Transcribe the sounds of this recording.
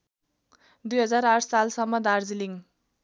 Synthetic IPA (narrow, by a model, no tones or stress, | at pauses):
d̪ujɦʌd͡zaɾarʈʰsalsʌmːʌd̪ard͡ziliŋ